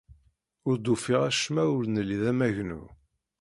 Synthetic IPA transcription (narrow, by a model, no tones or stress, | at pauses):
ʊɾd̪ufiʁæʃmæʊɾnəliðæmæʝnṵ